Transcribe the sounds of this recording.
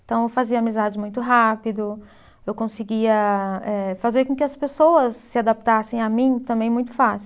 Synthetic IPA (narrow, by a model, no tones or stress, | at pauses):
t̪ɐ̃w̃ewfaziɐːmizad͡ʒɪmũj̃t̪ʊɦapid̪ʊ | ewkõsiɡiɐɛfazeɾkõkɪɐspesowɐsːɪad̪ap̚t̪asẽj̃amĩt̪ɐ̃mbẽj̃mũj̃t̪ʊ̥fasi